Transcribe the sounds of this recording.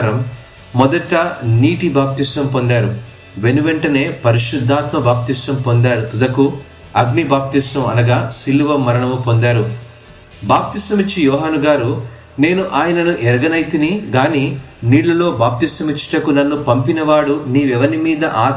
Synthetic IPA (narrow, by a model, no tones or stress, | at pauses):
ɾɐmː | ɔd̪ɐʈːɐniːʈibaːp̚t̪isɐmpond̪aːɾu | ʋe̞nuʋeɳʈɐne̞ːpɐɾiʃud̪ʱːaːt̪mɐbaːp̚t̪isɐmpond̪aːɾut̪ud̪ɐku | ɐɡnibaːp̚t̪isɐmɐ̰nɐɡaːsilːuʋɐmːɐɾɐɳɐmupo̞nd̪aːɾu | baːp̚t̪isɐmit͡ʃːijɔːɦaːnuɡaːɾu | ne̞ːnuʔaːjɐnɐnuʔɛɾɡɐnɐjt̪iniɡaːniː | niːɽlɐlo̞ːbaːp̚t̪isɐmit͡ʃːi̥ʈɐkunɐnːupɐmpinɐʋaːɽuniːʋɛʋɐnimiːd̪ɐʔaː